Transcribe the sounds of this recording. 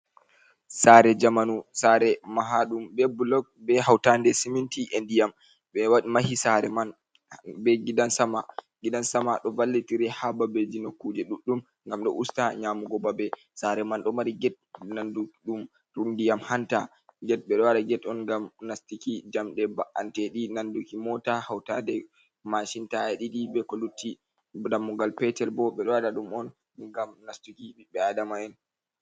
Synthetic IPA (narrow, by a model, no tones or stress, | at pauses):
saɾɛd͡ʒamanusaɾɛmaɦaɗumbɛbulɔɡ̚bɛhawtandɛsimintiʔendijam | ɓɛwaɗimahisaɾɛman | bɛɡidansamaɡiɗansamaɗɔvalːitiɾɛhababed͡ʒinokːud͡ʒɛɗuɗːum | ŋɡamɗɔ̰ʔustaɲaːmuɡɔbabɛ | saɾɛmanɗɔmaɾiɡɛt̚nandukɗum | ɾundijamhanta | ɡɛt̚ɓɛɗɔwaɗaɡɛtɔnŋɡamnastikid͡ʒamɗɛbaʔantɛɗinandukimɔtahawtadɛ | maʃintaɛɗiɗibɛkɔlutːi | damːuɡalpɛtɛlbɔɓɛɗɔwaɗaɗumɔn | ɡamnastikiɓiɓɛadamaɛn